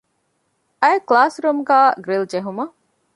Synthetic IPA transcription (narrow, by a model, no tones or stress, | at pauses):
ɐeklaːsɾumɡæːɡɾild͡ʒeɦumɐ